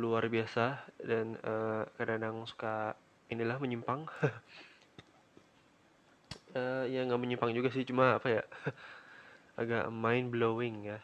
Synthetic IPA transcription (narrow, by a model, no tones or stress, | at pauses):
luarbiasadanəkadadaŋsu̥ka | inilahməɲimpaŋ | əjaŋɡaʔməɲimpaŋd͡ʒuɡas̬ɪht͡ʃumaapaja | aɡa̰ʔmaɪnbloɪŋja